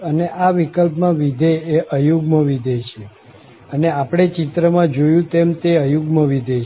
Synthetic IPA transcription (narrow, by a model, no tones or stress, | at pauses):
əneʔaʋikəlpmãʋid̪ʱeːʔəjuɡməʋid̪ʱet͡ʃʰe | əneapɽ̃et͡ʃit̪ɾəmãd͡ʒojũt̪emt̪eəjuɡməʋid̪ʱe